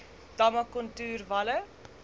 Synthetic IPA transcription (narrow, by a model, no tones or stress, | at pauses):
d̥ɐmɐkɔntʉːrvɐlə